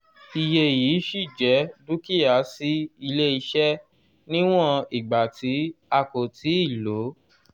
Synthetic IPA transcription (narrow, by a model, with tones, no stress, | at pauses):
i˧je˧jiː˨˦ʃi˦˨d͡ʒɛ˨˦du˦ki˦˨ja˨˦si˦i˧le˦i˧ʃɛ˦ | nĩ˦w̃ɔ̃˦˧i˨ɡ͡ba˨tʰi˨˦a˧ko˨tʰi˨˦i˦˨lo˨˦